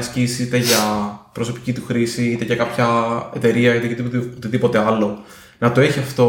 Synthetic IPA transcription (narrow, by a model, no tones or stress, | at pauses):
scisiit̪e̞ʝɐpɾoso̞pi̥cit̪uxɾisiit̪eʝɐkɐpçɐe̞t̪e̞ɾiɐit̪et̪ot̪iðipo̞t̪e̞ɐlo̞ | nɐt̪oeçiɐft̪o̞